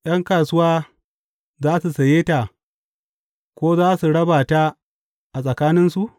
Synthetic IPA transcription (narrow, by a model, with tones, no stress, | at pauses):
j̰ɐ˦ŋkaː˨sʊ˦waː˦ | zaː˦su˨sɐ˨jeː˦ta˨ | kʷoː˦zaː˦su˨ɽɐ˦baː˨ta˦ | ʔa˨sʼɐ˨kaː˦nɪ˦nsu˨ʔ